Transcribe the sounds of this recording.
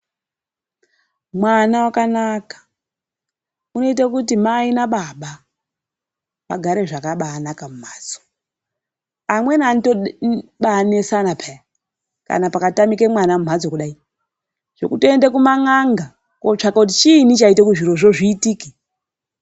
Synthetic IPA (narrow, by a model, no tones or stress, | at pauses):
mwanawakanakḁ | uno̞it̬akutimainaɓaɓa | ʋa̰ɡʱaɾe̞ʐakaɓaːnakamum̤aːd͡zo̥ | amwe̞nantoɓanesanapʰaja | ka̰napakatamikemwanamum̤ad͡zokuɗai | ʐ̥o̞̰kutoendekumaŋaŋɡa | kot͡ʂakakut̬it͡ʃin̤it͡ʃaitekuʐiɾo̞ʐo̞ʐiːtiːke